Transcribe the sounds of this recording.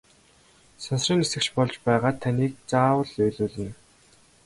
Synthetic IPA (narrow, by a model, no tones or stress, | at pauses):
sɔnsriːŋnesɘ̆kt͡ɕpɔɮt͡ɕpæːʁaːt̪ʰːaniːk̚t͡saːwə̆ɮœjɮuːɮĭn